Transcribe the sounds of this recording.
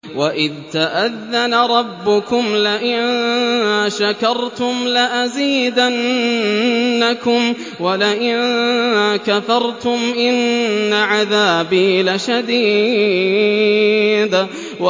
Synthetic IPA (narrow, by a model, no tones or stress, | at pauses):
waʔɪðt̪aʔaðːanaɾˤɑbːʊkʊmlɪʔɪnn | ʃakɑɾˤt̪ʊmlaʔaziːd̪anː | akʊm | walɪʔɪnakafɑɾˤt̪ʊmʔɪnːaʕaðaːbiːlaʃad̪iː | d̪ | wa